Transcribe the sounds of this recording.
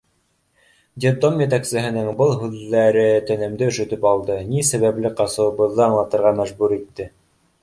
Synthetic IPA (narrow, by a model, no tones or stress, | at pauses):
d̪ʲed̪omjɘ̆t̪æksɘ̆ɦɘ̆nɘŋbɤlˠɦʉðːæɾɘt̪ɘ̆nɘ̆md̪ɘɵ̆ʃɵ̆t̪ɵpɑlˠd̪ɤnisæβæplɘqɑsɤ̆wɤ̆βɤ̆ðːɤɑɴlˠɑt̪ɤ̆ɾʁɑmæʒbuɾit̪ːɘ